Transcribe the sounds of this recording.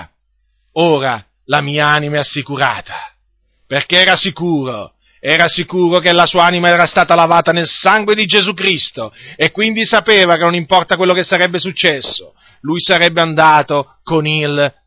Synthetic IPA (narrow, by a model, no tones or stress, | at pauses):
oːɾa | lamiːaanimaɛasːikuɾa̰ːt̪ʰḁ | perk̟eɛːɾasikuːɾo | ɛːɾasikuːɾok̬elasuːaanimaɛːɾast̪aːt̪alavaːt̪anelsaŋɡwed̪id͡ʒezuk̬ɾist̪oekːwind̪isapeːvakenːonimpɔrt̪akwelːokesːaɾɛbːesut͡ʃːɛsːo | lujsaɾɛbːeand̪aːt̪o | konil